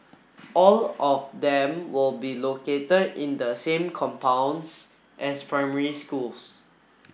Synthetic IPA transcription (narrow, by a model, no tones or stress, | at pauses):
ʔɔlɔfdɛ̃mwɪlbiloketədĩndəsẽmkʰɔ̃mpãw̃ns | ʔɛspʰɹãɪmɛɹiskuls